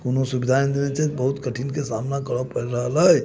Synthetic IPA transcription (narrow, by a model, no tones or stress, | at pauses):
konosubid̪ʱand̪enɛt͡ʃʰɛbəɦut̪kəʈʰinkesamnakəɾəpəɾɾəɦələj